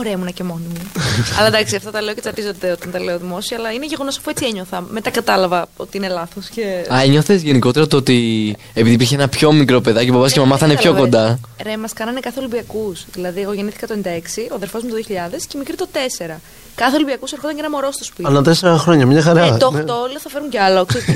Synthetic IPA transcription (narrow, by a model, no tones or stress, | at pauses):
oɾemunɐcemo̞nimuɐ̰lɐd̪ɐksiɐft̪ɐt̪ɐle̞ocet͡sɐɾt̪izo̞t̪d̪eot̪ɐnt̪ɐle̞oðimo̞siɐːlɐineʝe̞ɣo̞no̞sɐ̥fuet͡sieɲo̞θɐmet̪ɐkɐt̪ɐlɐvɐo̞t̪iine̞lɐθo̞sceɐeɲoθe̞zʝe̞niko̞t̪eɾɐt̪oot̪i | epiðipiɾçeenɐpço̞mikɾo̞pe̞ðɐcobɐbɐscemɐmɐθɐinepço̞ko̞nd̪ɐɾemɐskɐnɐnekɐθelibiɐkusðilɐðiɐko̞ʝeniθi̥kɐt̪onind̪ɐeksioɐðeɾfo̞zmut̪ðijoçiʎɐðe̞scemikɾit̪o̞t̪ese̞ɾɐ | kɐθeolibiɐkusɐɾxo̞t̪ɐɲcɐenɐmo̞ɾo̞st̪o̞spitnɐt̪eseɾɐxɾo̞ɲɐmɲɐxɐɾɐt̪ott̪oolioθɐfe̞ɾuɲceɐlokse